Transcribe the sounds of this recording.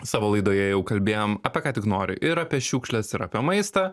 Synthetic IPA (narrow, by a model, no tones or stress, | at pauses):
sɑːʋoːlˠɐɪd̪oːjɛjɛʊkɐlʲbʲeːjoːmɐpʲɛkɑːt̪ʲɪknoːɾʲɪ̰ʔɪɾɐpʲiɛʃʲuːkʃʲlʲɛsɪɾɐpʲiɛmɐɪst̪ɑ